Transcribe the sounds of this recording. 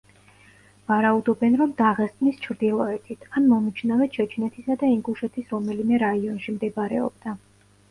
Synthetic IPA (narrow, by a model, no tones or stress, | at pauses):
vaɾaud̪ɔbɛnɾɔmd̪aʁɛst̪ʼnist͡ʃʰɾd̪ilˠɔɛt̪ʰit̪ʰanmɔmit͡ʃʰnavɛt͡ʃʰɛt͡ʃʰnɛt̪ʰisad̪aiŋɡuʃɛt̪ʰisɾɔmɛlimɛɾaiɔnʃimd̪ɛbaɾɛ̰ɔ̰b̚d̪a